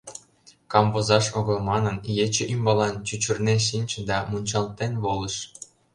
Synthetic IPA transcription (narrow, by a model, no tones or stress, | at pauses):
kɑmvozɑʃoɣɤ̆lˠmɑnə̆njet͡ɕĕʔymbɑlɑnt͡ɕut͡ɕŭrneʃ̬inʲt͡ɕɤ̆d̪ɑmunʲt͡ɕɑlt̪ːenβolˠə̆ʃ